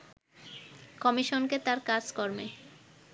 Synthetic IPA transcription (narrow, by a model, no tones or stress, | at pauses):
kɔmiʃonket̪aɾkaɾd͡ʑkɔɾme